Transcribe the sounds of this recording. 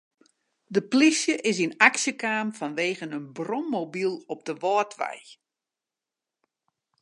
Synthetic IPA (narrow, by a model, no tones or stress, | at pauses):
dəplisjəʔɪsinaksjəkaːmfanʋeːɣənənbrɔmːobilˠɔp̚d̥əʋɔːtʰʋɛ̰j